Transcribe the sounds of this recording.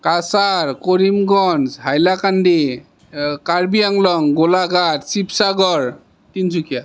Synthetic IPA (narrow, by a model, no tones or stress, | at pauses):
kasaɹkoɹimɡɔnsɦajlakandi | kaɹbijaŋlɔŋɡolaɡatsipsaɡɔɹ | tinsukʰija